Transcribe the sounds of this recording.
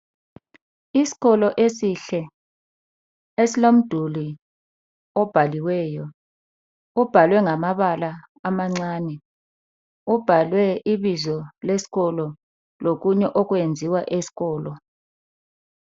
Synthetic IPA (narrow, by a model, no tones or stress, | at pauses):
isi̥k̬ɔlɔʔesiɬɛ | esilom̩d̥ʱuli | ɔb̥ʱaliwɛːjɔ | ub̥ʱalwɛŋamaɓalaː | maŋ͡ǀaːnɛ | ub̥ʱalwɛiɓizɔlesi̥k̬ʼɔlɔ | lok̬uɲɛʔɔk̬wend͡zʱiwaʔesi̥k̬ɔːlɔ